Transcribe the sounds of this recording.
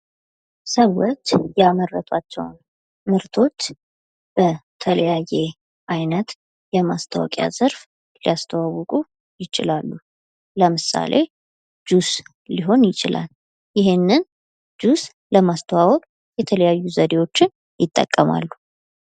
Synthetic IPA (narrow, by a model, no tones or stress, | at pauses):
səwɔt͡ʃːjamərːət̪ʰat͡ʃːɛ̰wn | mɨɾt̪ʰo̞t͡ʃː | b̥ət̪ʰələjaje̞ | ʔajnət̪ | jɛmast̪ʰəwɔ̰kʼja̰z̥əɾf | lijast̪ʰəwawɔkʼu | jɪt͡ʃʼɪlalːu | ləmɨsa̰lʔe̞ | d͡ʒus | liɦo̞njɪt͡ʃʼɪla̰l | jɪɦenːɨn | d͡ʒus | ləmast̪ʰəwawɔkʼ | jɛt̪ʰələjajːuzəd̪e̞wo̞t͡ʃːɪn | jɪt̪ʼːə̰kʼːəma̰lːu